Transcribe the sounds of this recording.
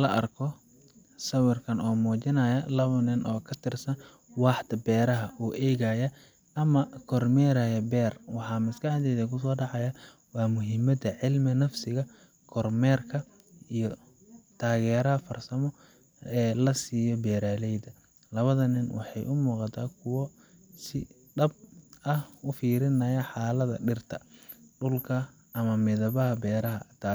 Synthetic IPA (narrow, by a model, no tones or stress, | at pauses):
lɐʔɐrkʰɔ | sɐwɪrkʰɐnɔːmɔːt͡ʃɪnɐjɐlɐβɐnɪnʔɔːkʰɐt̪ʰɪrsɐn | wɑːħt̪ɐbɛːɾɐɦɐʔuːʔɛːɣɐjɐ | ʔɐmɐkʰɔrmɛːɾajɛbɛːrwɑħɑːmɐskɑħd̪ɛjðɐkʰʊs̬ɔːɖɑʕɑjɐ | wɑːmʊɦɪmɐd̪ɐʕɪlmɪnɐfsɪɣɐ | kʰɔrmɛːrkʰɐ | ijɔ | t̪ʰaːɣɛːɾɐɦɐfɐrsɐmɔ | ɛːlɐsiːjɔbɛːɾaːlɛjd̪ɐ | lɐβɐðɐnɪnwʔɑ̰ħɑjʔʊmuːqɑt̪ʰaːkʰʊwɔ | sɪ | ɖɐb̚ɐhʊfiːɾɪnɐjɐħɑːlɐðɐ̰ɖɪrt̪ʰɐ | ɖʊlkʰɐ | ɐmɐmɪðɐβɐɦɐbɛːɾɐɦɐt̪ʰaː